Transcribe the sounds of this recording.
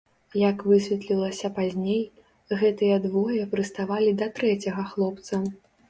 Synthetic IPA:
jɐkvɨsʲvʲɛt̪lʲilˠɐsʲɐpazʲnʲej | ɣɛt̪ɨjɐd̪vɔjɐpɾɨst̪avalʲid̪ɐt̪ɾɛt͡sʲɐɣɐxlˠɔp̚t̪sɐ

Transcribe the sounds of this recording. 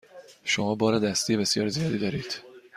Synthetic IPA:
ʃo̞mɒːbɒːɾed̪æst̪ijebe̞sjɒːɾzijɒːd̪iːd̪ɒːɾiːd̪̥

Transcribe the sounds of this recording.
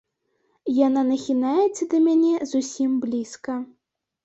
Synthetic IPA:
jananɐxʲinajɛt̪sɐd̪ɐmʲanʲɛzusʲimblʲiskɐ

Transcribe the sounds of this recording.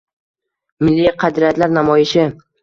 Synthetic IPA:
mɪlːiqʰɑd̪ɾiat̪ʰlaɾnamɒjɪʃɪ

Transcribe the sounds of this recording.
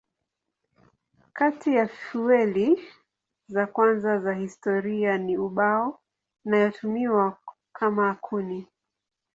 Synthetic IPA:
katʰijaffiwɛli | zakwanzazahistɔɾianiuɓaɔ | najɔtʰumiwa | kʰamaːkʰuni

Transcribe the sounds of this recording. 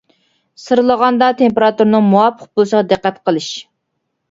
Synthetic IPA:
sɨɾlˠəʁɑnd̪ɑt̪ʰempeɾɑt̪uɾnɨŋmuwɑpʰːəq̚bolˠɨsəʁɑd̪ɨqːɛt̪qʰəlˠɨʃ

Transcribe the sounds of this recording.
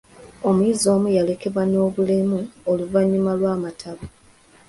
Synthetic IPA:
o̞muiːzo̞ːmujale̞ke̞βwano̞ːβulemuoluvaɲːumalwaːmatʰaβu

